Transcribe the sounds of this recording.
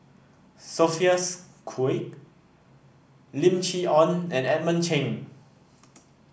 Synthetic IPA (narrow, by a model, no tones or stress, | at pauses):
sofiəskʰek | lĩmt͡ʃiɔ̃nɛ̃nɛt̚mə̃nt͡ʃʰẽn